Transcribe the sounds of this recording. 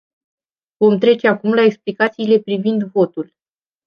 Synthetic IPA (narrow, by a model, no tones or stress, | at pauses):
vo̞mt̪ɾe̞t͡ʃe̞akumlaeksplikat̪siːle̞pɾivind̪vo̞t̪ul